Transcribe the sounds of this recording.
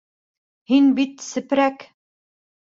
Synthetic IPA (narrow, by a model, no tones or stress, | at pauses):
hinbit̪sɘ̆pɾæk